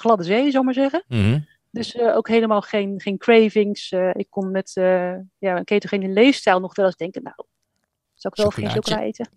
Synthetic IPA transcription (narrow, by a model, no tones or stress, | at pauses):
χlɑdəzejzowɪkmaːɹzɛχən | døsəowkɦejləmaːlˠχejnχejnkrejvɪŋsəɪkːɔnnɛtəjakejtəχenəlejfstɛjlˠnɔχɛdɑlˠsɪɡ̚dɛŋkəna̰w | z̥awɪkʋɛlˠɔfχejnsokəraḛjtə